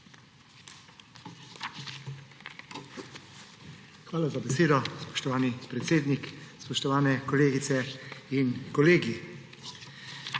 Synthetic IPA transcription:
xʋaːlazabɛseːd̪ɔspɔ̥ʃt̪ɔʋaːnipɾɛt̪seːd̪nikspɔʃt̪ɔʋaːnɛkɔleːɡit̪sɛinkɔleːɡi

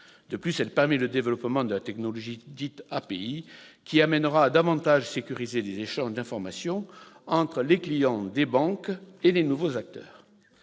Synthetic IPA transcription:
d̪əplysɛlpɛʁmeləd̪evəlɔpmɑ̃d̪əlat̪ɛknɔlɔʒid̪it̪apeikʲiamɛnəʁaːd̪avɑ̃t̪aʒsekʲyʁizelezeʃɑ̃ʒd̪ɛ̃fɔʁmasjɔ̃ɑ̃t̪χəleklijɑ̃d̪ebɑ̃kelenuvozak̚t̪œ̰ːʁ

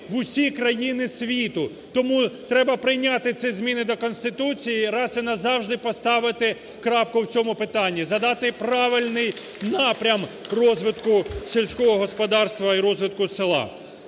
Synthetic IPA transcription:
ʋʊsʲikɾɐjinɪsʲʋʲit̪ʊ | t̪ɔmut̪ɾɛbɐpɾɪjnʲat̪ɪt̪sʲɛzʲmʲinɪd̪ɔkɔnsʲt̪ɪt̪ut͡sʲijiɾɑsɐnɐzɑwʒd̪ɪpɔst̪ɑʋɪt̪ɪ | kɾɑpkʊwt͡sʲɔmʊpɪt̪ɑnʲːizɐd̪ɑt̪ɪpɾɑʋɪlʲnɪj | nɑpɾʲɐmrɔzʋɪt̪kʊsʲilʲsʲkɔɦɔɦɔspɔd̪ɑrst̪ʋɐiɾɔzʋɪt̪̚kʊsɪlˠɑ̰

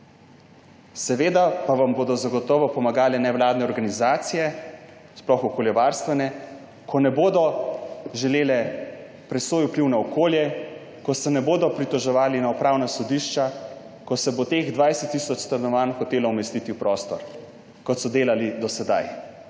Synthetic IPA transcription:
sɛʋeːd̪apaʋamboːd̪ɔzaɡɔt̪ɔːʋɔpɔmaɡaːlɛnɛʋwlaːd̪nɛɔɾɡanizaːt̪sijɛ | splɔxɔkoljɛʋaɾst̪ʋɛnɛ | kʰɔnɛboːd̪ɔʒɛleːlɛ | pɾɛsʋoːjupliwnaɔkoːljɛ | kɔsɛnɛboːd̪ɔpɾit̪ɔʒɛʋaːlinaupɾaːwnasɔd̪iʃt͡ʃa | kɔsɛbot̪eːɣd̪ʋajsɛt̪ːisɔt͡ʃst̪ɐnɔʋanxɔt̪eːlɔumɛst̪it̪iwpɾɔst̪ɔɾ | kɔt̪sɔd̪eːlalid̪ɔsɛd̪a̰j

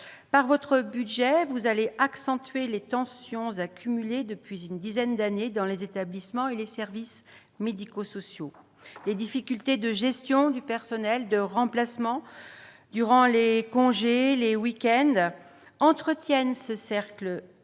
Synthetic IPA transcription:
paʁvɔt̪χəbyd̪ʒɛvuzaleʔaksɑ̃t̪ɥelet̪ɑ̃sjɔ̃zakʲymyled̪əpɥizynd̪izɛnd̪aned̪ɑ̃lezet̪ablismɑ̃elesɛʁvis | med̪ikosɔsjo | led̪ifikʲylt̪ed̪əʒɛst̪jɔ̃d̪ypɛʁsɔnɛld̪əʁɑ̃plasmɑ̃ | d̪yʁɑ̃lekɔ̃ʒelewikʲɛnd̪ | ɑ̃t̪χət̪jɛnsəsɛʁklə

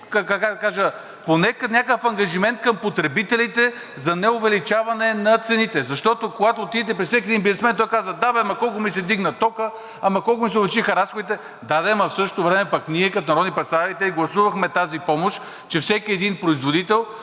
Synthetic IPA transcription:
kakakad̪ɐkaʒə | ponɛkənʲakəfɐŋɡɐʒimɛnt̪̚kɐmpot̪ɾɛbit̪ɛlit̪ɛ | zɐnɛʊvɛlit͡ʃavɐnɛnɐt̪sɛnit̪ɛzɐʃt̪ɔt̪okoɡat̪oːt̪id̪ɛt̪̬ɛpɾissɛkiɛd̪inbiznɛsmɛnt̪ɔjkazvəd̪abɛmɐkɔlˠkʊmisɛd̪iɡnəɐt̪ɔkə | amɐkɔlˠk̬ʊmisɛobɛt͡ʃixɐɾasxod̪it̪ɛ | d̪ad̪ɛmɐfsɤʃ̬t̪ot̪ovɾɛmɛpɐkniɛkɐt̪onɐɾɔd̪ipɾɛt̪st̪aɾit̪ɛiɡlˠɐsuvɐxmɛt̪azipɔmoʃ | t͡ʃɛfsɛkʲiɛd̪inpɾoizvod̪it̪ɛlˠ

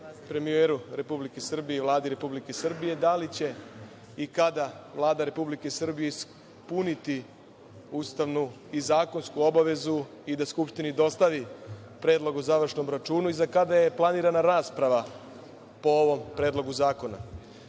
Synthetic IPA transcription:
pɾe̞mieɾuɾe̞publike̞sr̩bije̞iʋlˠaːd̪iɾe̞publike̞sr̩bije̞d̪alit͡ɕe̞ | ikad̪aʋlˠaːd̪aɾe̞publike̞sr̩bijes | punit̪i | uːst̪aʋnu | izaːko̞nskuo̞baʋe̞zu | id̪askupʃt̪inid̪o̞st̪aʋi | pɾe̞ːd̪lˠo̞ɡozaʋɾr̩ʂʃno̞mɾat͡ʃuːnuizakad̪aje̞plˠaniːɾanaɾaːspɾaʋa | po̞oʋo̞mpɾe̞ːd̪lˠo̞ɡuzaːko̞na̰

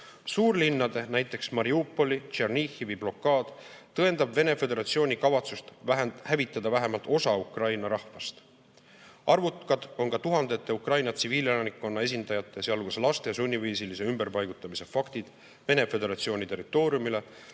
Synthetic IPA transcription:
suːrlinːɑd̪̥e̞næjt̪ːˑe̞ksmɑɾiupːˑo̞lit͡ʃernixivijb̥lo̞kːˑɑːd̪̥t̪ɤe̞nd̪ɑbve̞ne̞fe̞d̪e̞ɾɑt̪sio̞ːnʲikɑvɑt̪sust̪hævit̪ːˑɑd̪̥ɑvæɦemɑlt̪ˑo̞sɑukrɑjnɑɾɑhvɑst̪ | ʔɑrvut̪kɑd̪̥o̞nkɑt̪uɦɑnd̪̥e̞t̪ːe̞ukrɑjnɑt̪siviːlelɑnikːˑo̞nːɑe̞s̬ind̪ɑjɑt̪ːˑe̞seɑlɡuslɑst̪ejɑsunʲːiviːsilise̞ymbe̞rpɑjɡ̥ut̪ːˑɑmise̞fɑkt̪id̪̥ | ve̞ne̞fe̞d̪e̞ɾɑt̪sio̞ːnʲit̪e̞rit̪ːˑo̞ːɾijumile̞

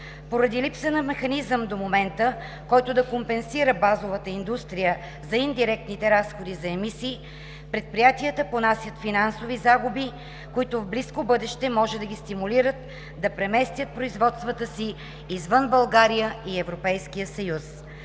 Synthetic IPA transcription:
poɾɐd̪ilipsənɐmɛxɐnizəmd̪omomɛnt̪ə | kɔjt̪ʊd̪ɐkompɛnsiɾəbazovət̪əind̪ust̪ɾijə | zɐind̪iɾɛk̚t̪nit̪ɛɾasxod̪izɐɛmisiː | pɾɛt̪̚pɾijat̪iət̪əponasʲjət̪finansovizaɡubi | kʊit̪ʊvbliskobɤd̪ɛʃt̪ɛmɔʒɛd̪ɐɡʲist̪imuliɾət̪̚ | d̪ɐpɾɛmɛst̪ʲjət̪̚pɾoizvɔt̪st̪vət̪əsiː | zvənbɐlˠɡaɾijəiɛvɾopɛjskijəsɐjus

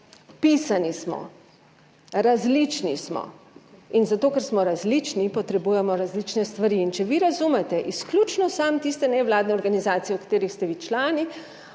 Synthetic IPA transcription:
pisanismɔ̰ | ɾazlit͡ʃnismɔ̰ | inzat̪oːkɛɾsmɔɾazlit͡ʃnipɔt̪ɾɛbujɛmɔɾazlit͡ʃnɛst̪ʋaɾiːnt͡ʃɛʋiɾazumɛt̪ɛʔisklʲut͡ʃnɔsamt̪ist̪ɛnɛʋlaːd̪nɛɔɾɡanizaːt̪sijɛwkḁt̪eːɾixst̪ɛʋit͡ʃlaːni

